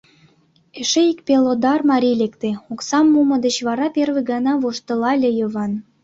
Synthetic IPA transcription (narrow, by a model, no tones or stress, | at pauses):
eʃeikpʲelod̪ɑrmɑɾʲilʲekt̪ĕoksɑmːumɤ̆d̪ə̆t͡ɕβɑɾɑperveɡɑnɑβoʃt̪ə̆lɑlʲejɤ̆βɑn